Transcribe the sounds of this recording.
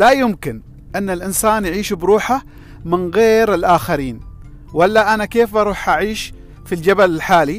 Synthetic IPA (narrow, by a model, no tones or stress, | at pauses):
lajʊmkɪn | ʔɪnːɪlʔɪnsaːnjaʕiːʃbɾuːħa | mɪnɣeːɾɪlʔaːxaɾiːn | walːaʔanakeːfʔɑɾˤuːħʔaʕiːʃ | fild͡ʒabalɪlħaːli